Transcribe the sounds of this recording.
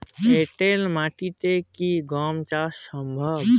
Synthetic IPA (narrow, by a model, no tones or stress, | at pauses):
eʈelmaʈit̪ekiɡɔmt͡ʃasəmbʱəb